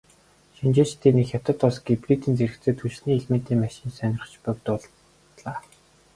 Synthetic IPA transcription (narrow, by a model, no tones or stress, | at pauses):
ʃint͡ɕeːt͡ɕt̪ʰeːnixjḁt̪ə̆t̪ʊsɡipriːt̪iːnt͡seɾɘ̆kt͡seːt̪ʰut͡ɕɮniːɮmen̥t̪eːmæʃɪ̆nsœnʲɪ̆rə̆χt͡ɕpœkt̪ʊɮ | ɮaː